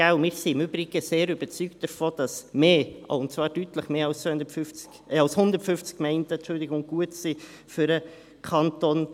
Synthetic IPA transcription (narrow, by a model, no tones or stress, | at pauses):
ɡ̥aʊmɪːɾsiɪmybɾɪɡəseːɾyb̥ət͡syːkt̚d̥əɾfoːd̥ɑsmeːʔa̰ʊntt͡svɑːɾd̥yːtləχmeːɑlsndəfʏft͡s | ɑlshʊnd̪əɾtfʏft͡skmɛɪntɛt͡ʃʊldɪɡʊŋɡ̥uətsi | fyɾə | kʰɑntoːn